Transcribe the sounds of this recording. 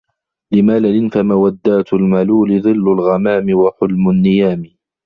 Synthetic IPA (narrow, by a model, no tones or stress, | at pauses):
lɪmaːlalɪnfamawad̪ːaːt̪ʊlmaluːlɪðˤɨlːalɣamaːmɪwaħʊlmʊnːɪjaːmɪ